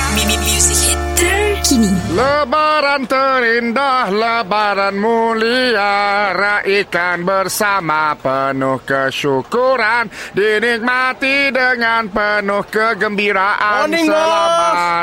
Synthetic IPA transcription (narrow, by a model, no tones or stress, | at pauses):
mimimusi | kiniləbaɾant̪əɾindahləbaɾanmuliaɾaʔikanbərsamapənʊhkəʃukuɾandinɪk̚mat̪idəŋanpənʊhkəɡəmbiɾaʔaniŋ